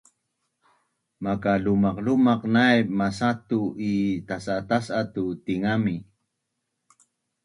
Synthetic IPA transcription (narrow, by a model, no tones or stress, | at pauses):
makalumɑqlumaqnajmasat̪uʔit̪asat̪asat̪ut̪iŋami